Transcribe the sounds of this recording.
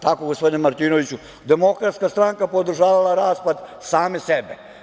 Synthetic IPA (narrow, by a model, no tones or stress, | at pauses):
t̪akoɡospod̪inemaɾt̪iːnoʋit͡ɕu | d̪emo̞kɾat̪skast̪ɾaŋkapo̞d̪ɾ̩ʒaːʋalaɾaːspad̪saːmesebe